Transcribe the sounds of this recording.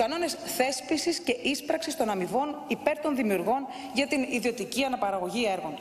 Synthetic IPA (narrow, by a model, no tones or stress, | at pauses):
kɐno̞ne̞sθe̞spisisce̞ʔispɾɐksist̪o̞nɐmivo̞nipe̞ɾt̪o̞nðimiuɾɣo̞n | ʝɐt̪iniðio̞t̪iciɐnɐpɐɾɐɣo̞ʝieɾɣo̞n